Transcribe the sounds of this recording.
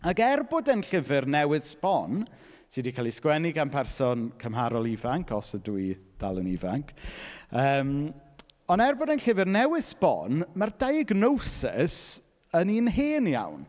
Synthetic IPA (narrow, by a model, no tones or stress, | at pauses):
aɡɛrbʊdənɬɪvɨrnɛwɨðsbɔn | sɨdikʰaːlˠiskwɛniɡanpʰɛrsɔnkʰəmɦaɾɔlˠivaŋkʰɔsəduid̥a̰lˠəniva̰ŋkʰəːm | ɔnɛrbʊdənɬɪvɨrnɛwɪð̥sbɔ̰nmardajəɡnowsɪ̰s | əninɦeːnja̰wn